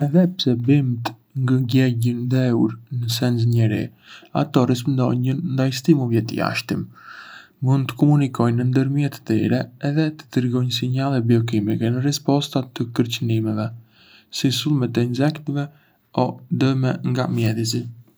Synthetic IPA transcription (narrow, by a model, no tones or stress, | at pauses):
ɛðɛpsɛbimt̪ | ŋɡəɡɛɟənd̪ɛuɾnəsɛnsɲɛɾḭ | a̰t̪ɔɾispnd̪ɔ̰ɲənnd̪ajst̪imuvjɛt̪ə̰ja̰ʃt̪im | mund̪t̪ə̥kɔmunikɔjnənd̪əɾmiɛt̪ə̥t̪iɾɛːðɛt̪ə̥d̪ɾɡɔjns̬iɲalˠɛbiɔk̬imikɛnərɛspɔst̪at̪əkəɾt͡ɕənimɛvɛ | sisulˠmɛt̪əinzɛkt̪əvɛ | ɔd̪əmɛŋɡamjɛðizi